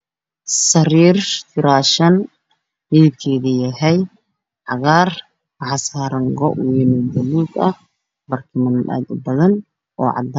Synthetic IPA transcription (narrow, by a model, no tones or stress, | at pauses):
sɐriːrfʰɪɾaːʃɐn | ʕiːb̚kʰɛːðijɐɦɛj | ʕɑɣaːr | ʕɑsaːɾɐŋɡɔʔwɛnɪd̪ɐluːd̪ɐ̰ | bɐrkʰɪmɐna̰ːd̪ʊbɐðɐn | ʔɔ̰ːʕɑ̰d̪a